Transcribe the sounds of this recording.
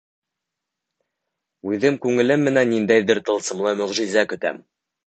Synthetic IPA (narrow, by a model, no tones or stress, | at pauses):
ʉðɘmkʉŋɘ̆lɘmːɘ̆nænːind̪æjðɘɾt̪ɤ̆lˠsɤ̆mlˠɤmɵ̆ʁʒizækɵ̆t̪æ̰m